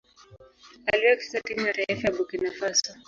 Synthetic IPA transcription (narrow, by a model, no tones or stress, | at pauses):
aliwɛki̥satimnaɾaɛfjaɓukinafasɔ